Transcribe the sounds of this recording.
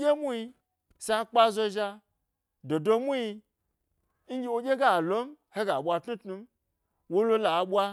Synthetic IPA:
e˦mu˦i˧ | sa˧k͡pa˦zo˧ʒa˧ | do˨do˧mu˦i˧ | ŋ̩˦ɡʲi˦wo˧ɡʲe˦ɡa˦˨lo˦m˦ | he˦ɡa˨ɓʷa˧tnu˦tnu˧m | wo˦lo˦la˨ɓʷa˧

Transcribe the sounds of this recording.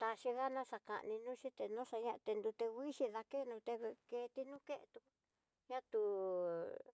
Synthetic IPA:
t̪a˧ʃi˧ɣa˦nã˦ʂa˧ka̰˧ʔnĩ˧nũː˦ʃi˦t̪e˧nõ˦ʂa˧ɲã˦ʔt̪e˧nd̪u˧t̪e˧ɡʷi˦ʃi˧ða˧ke˦nũ˧t̪e˧βe˧ke˧t̪i˧nũ˦ke˦ʔt̪u˧ | ɲã˦t̪u˧

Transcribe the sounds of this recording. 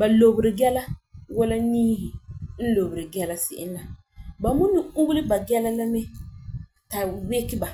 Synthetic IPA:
ba˨lo˨bɾɪ˨ɡɛ˦la˦wɔ˦la˦niː˦hi˨n̩˦lo˨bʊ˨ɾɪ˨ɡɛ˦la˦sɪ˨ʔɪ˦n˦la˨ | ba˨mu˦ni˨u˦ɡlɪ˦ba˨ɡɛ˦la˦la˦mɛ˦ | ta˨we˦kɪ˦ba˨

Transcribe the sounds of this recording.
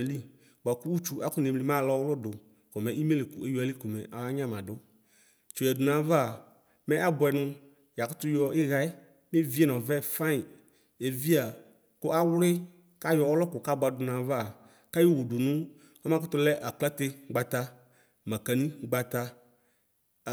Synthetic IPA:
e˨li˦ | ɡ͡ba˨ku˦wu˦t͡ʃu˦a˦kʊ˦ne˨mli˨mã˦˨lɔ˦wlʊ˦dʊ˨ | kɔ˨mɛ̃˨ʔi˦me˦le˨kʊ̰˨e˦ju˦a˨li˦kʊ˨mɛ̰˨ʔa˨wa˦ɲã˦˨mã˨dʊ˦ | t͡ʃu˨ɛ˨dʊ˨nã˨˦va˨ | mɛ̃˦ʔa˦bʊ˨ɛ˨nʊ̃˦ | ja˨kʊ˦t̪ʊ˦jɔ˦ʔɪ˦ɣa˦ɪ˦ | me˦vi˦ɛ˦˨nɔ̃˨vɛ˦˨fã˦ɪ˨ | e˨vi˦a˨ | kʊ˦ʔa˦wʊ˦lɪ˦ | ka˦jɔ˨ɔ˦lɔ˦kʊ˨ka˦ba˨dʊ˨nã˨va˨ | ka˦jo˦wu˨dʊ˨nʊ̃˦ | ɔ˦mã˦kʊ˦t̪ʊ˦lɛ˦ʔa˨k͡pla˦t̪ɪ˦ɡ͡ba˨t̪a˦ | mã˨ka˨nĩ˦ɡ͡ba˨t̪a˦˨

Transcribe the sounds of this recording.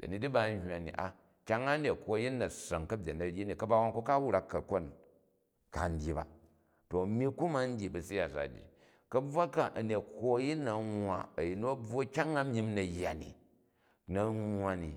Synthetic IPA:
d̥ɐ̰˨ni˨˦di˦ba˦n˦hʲwa˨nḭ˨ʔa̰˨ | kʲa˦ŋːa˦ne˨kʰʷo˦ji˦nːɐ˨sɐ˨ŋkɐ˦bʲe˨nɐ˨ɾʲi˦ni˨kɐ˦ba˦wa˦nku˦ka˦wɾa˦kːɐ˨ko˦˨n | ka˨n̩˦dʲi˨˦ba̰˨ | to˨mi˦ku˦ma˦n̩˦dʲi˨bɐ˨si˦ja˨sa̰˨d͡ʒḭ˨ | kɐ˦b͡vwa˦ka˦ʔɐ˨ne˨ko˦ji˦nːɐ˨ŋwa̰˨ɐ˨ji˨nu˦ɐ˦b͡vo˦kʲa˦ŋa˦mi˦mnɐ˨jːa˨nḭ˨ | nɐ˨ŋʷː˦wa˧ni˨

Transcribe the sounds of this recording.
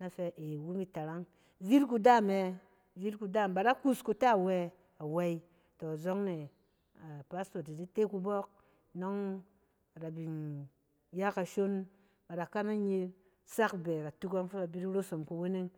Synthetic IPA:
na˦fe˧ʔe˨wu˦mi˦ta˨ɾa˦ŋ | vi˦ɾku˧da˦˨me˧ | vi˦ɾku˧da˦˨mba˨da˦ku˦sku˧ta˦˨we˦ | a˨we˦i˦ | to˨zo˦ŋne˨ | a˨pa˦sto˨ti˨di˦te˦ku˧bɔ˦k̚ | no˦ŋ˨ | ɾa˨bi˨n | ja˦ka˨ʃo˦n | ba˨da˨ka˦na˦ɲi˧l | sa˦kbe˨ɾa˨tu˦ko˦ŋfo˦ba˨bi˦ɾi˦ɾo˦so˨mku˨we˦ne˦ŋ

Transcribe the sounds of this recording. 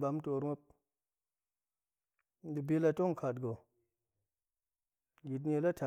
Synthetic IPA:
ba˨˦m˦to˨ɾŋo˦p̚ | di˧bi˧la˧to˦ŋ˨kʰa˨tɡo˨ | ɡi˨t̬n˦e˧˨la˦tʰa˨

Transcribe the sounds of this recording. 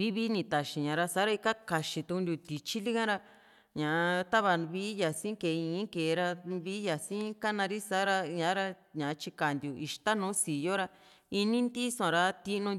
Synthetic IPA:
βi˦βi˦nĩ˧t̪a˨ʃĩ˨ɲã˨˧ɾa˧sa˧˦ɾa˧i˧ka˦ka˨ʃĩ˧t̪u˧u˧nd̪ʲu˧t̪i˨t͡ʃi˦li˦kã˦ɾa˧ | ɲã˨˧t̪a˦βa˧βi˦ja˨sĩ˦ke˨˧ĩː˧˦ke˨˧ɾa˧βi˦ja˨sĩ˦ka˦nã˧ɾi˦sa˦ɾa˧ɲã˧˦ɾa˧ɲã˨˧t͡ʃi˧ka˨nd̪ju˨ʔi˧˨ʃt̪a˦nũː˨˦si˨jo˦ɾa˧ | i˧nĩ˦nd̪i˦sã˨ɾa˧t̪i˧ʔnũ˧

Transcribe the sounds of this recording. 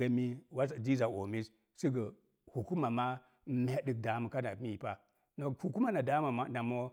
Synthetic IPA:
a˨mi˦wa˦sa˨d͡ʒi˦za˨ʔo˨mi˦s | si˦ɡə˨ | hu˨ku˦ma˨ma˦ | mʲa˦ɗi˦˨k̚da˨mu˨ka˦na˨˦mi˦˨pa˦ | no˨hu˨ku˦ma˦na˨da˦ma˨a˦na˨mo˦

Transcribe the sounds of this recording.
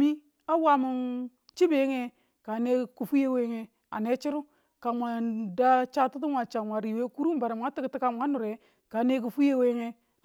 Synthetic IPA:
mi˦ | a˦wa˦mu˨n | t͡ʃi˦be˨˦ŋe˦ | ka˨ne˦ku˨fu˦je˦we˦ŋe˦ | a̰˨ne˦t͡ʃi˦ɾu˦ | ka˨mʷa˨da˦t͡ʃa˦tu˦tu˦mʷa˨t͡ʃa˨mʷa˨ɾi˨we˦ku˦ɾu˦m˦ba˨ɾa˨m˨ŋa˦ti˦kti˦ka˦m˨a˦nu˨ɾe˨ | ka˨˦ne˦k̬u˨fu˦je˦we˦ŋe˦

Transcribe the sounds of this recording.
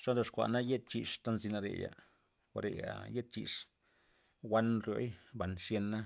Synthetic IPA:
ʂa˦ɾo˧ʂkʷa̰˨ʔna˦je˦t̪̚t͡ʃi˨ʂt̪a˦nzi˧na˧ɾḛ˨ja̰˨ | xa̰˨ɾḛ˨ja̰˨je˦t̪̚t͡ʃḭ˨ʂ | wa˦nɾjo̰˦jba˨nʂje˧nːa˦

